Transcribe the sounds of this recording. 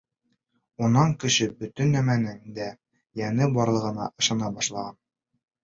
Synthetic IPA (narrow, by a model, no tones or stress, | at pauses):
unːɑŋkɘ̆ɕɘbɵt̪ɵ̆nːæmænɘŋd̪æ | jænɘbɒɾlˠɤ̆ʁɤ̆nɑ̰ʔɤ̆ʃɑnɑbɒʃlˠɑʁɑn